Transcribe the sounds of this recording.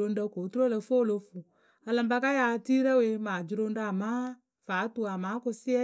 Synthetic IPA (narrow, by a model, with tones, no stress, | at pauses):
o˧n̩˦ɖə˧ko˨˦tu˦ɾo˦lə˧fo˦˨lo˧fu˨ | a˧lə˨mba˧ka˦ja˧ti˦ɾə˦we˧maː˨d͡ʒɾo˧n̩˦ɖa˧˦a˨mã˦ | fa˨˦tu˧a˨mãː˨˦kʊ˧sɪ˦ɛ˦